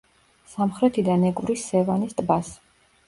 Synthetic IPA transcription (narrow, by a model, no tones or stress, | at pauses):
samχɾɛt̪ʰid̪anɛɡʼvɾisːɛvanist̪ʼbas